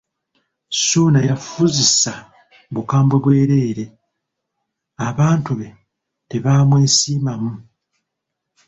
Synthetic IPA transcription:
suːnajafuzisa | βukaːmbwe̞βwe̞ːɾe̞ːɾe̞ | aβaːntuβe̞ | te̞βaːmwe̞ːsiːmamu

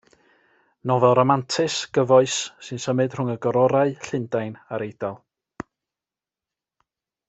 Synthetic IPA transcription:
nɔvɛlˠɾɔmantʰɨsɡ̥əvɔɨsːɨnsəmɨd̥r̥ʊŋəɡɔɾɔɾaɨɬɪndajnaɾejdalˠ

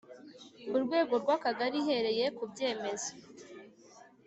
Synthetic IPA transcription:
uɾɡwe̞ːɡo̞ɾɡwakaɡaɾiɦe̞ɾe̞je̞kubje̞ːme̞zḁ

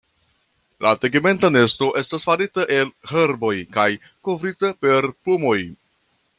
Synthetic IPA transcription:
lʔateɡime̞ntane̞sto̞ʔe̞stasfaɾitaʔe̞lheɾbo̞jkaj | ko̞vɾitape̞ɾplumo̞j

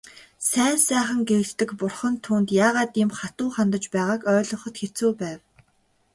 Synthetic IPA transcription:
sæːnsæːχə̆ŋɡĕkt̪ːɘ̆kpʊrχə̆nt̪ʰuːnt̪jaːʁaːt̪imχat̪uːχant̪ə̆t͡ɕpæːʁaːkœːɮɞ̆χə̆t̪xet͡suːpæːw

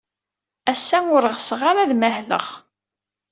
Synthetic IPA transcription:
æsːænʊɾəʁsʁaɾaðmæhlə̰ʁ

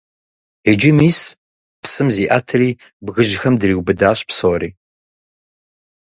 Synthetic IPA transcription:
ed͡ʒɪmiːs | psɨmziːʔatʰɨriː | bɣɨʒxɐmdɨriːwbɨdaːɕpsoːɾiː

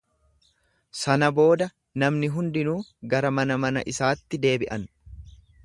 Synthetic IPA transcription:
sɐnɐbo̞ːd̪ɐ | nɐmnɪɦʊnd̪ɪnuːɡɐɾɐmɐnɐmɐnɐ̰ʔɪsaːt̪ːɪd̪e̞ːbɪʔɐn

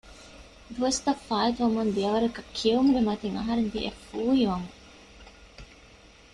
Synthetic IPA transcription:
d̪uʋɐst̪ɐfːaːit̪uʋɐmund̪iɐʋɐɾɐkɐkʰːiɐumɡemɐt̪eŋɐ̰ɦɐɾend̪iʔḛfuːɦiʋɐmu

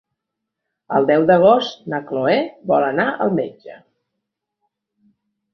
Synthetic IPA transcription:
əlˠd̪ɛwd̪əɣ̞ost̪nəkloɛβɔlənaʔəlˠmed͡ʒə

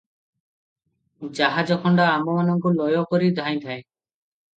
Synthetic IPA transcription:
d͡ʒaɦad͡ʒɔkʰɔɳɖaːmɔmanɔŋkulɔjɔkɔɾid̪ʱaj̃t̪ʰae

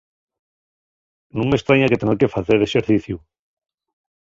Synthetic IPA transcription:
nõŋmest̪ɾaɲaket̪eneɾkefaθeɾeseɾθiθju

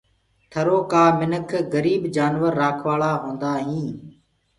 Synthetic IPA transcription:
t̪ʰəɾoːkaːmɪnəkʰɡəɾiːbd͡ʒaːnʋəɾːaːkʰʋaːɭaːɦõːnd̪aːɦĩː

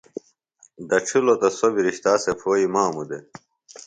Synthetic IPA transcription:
d̪ɐʈ͡ʂʰulot̪ɐsobiɾiɕt̪aːsepʰoːimaːmud̪e

